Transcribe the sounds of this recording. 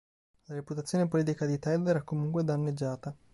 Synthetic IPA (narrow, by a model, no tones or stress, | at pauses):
laɾeput̪at̪sːjoːnepoliːt̪ikad̪it̪ɛld̪ɛɾɛkːomuŋkwed̪anːed͡ʒːaːt̪a